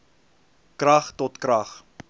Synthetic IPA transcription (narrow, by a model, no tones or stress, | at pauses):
krɐχtɔtkɾɐχ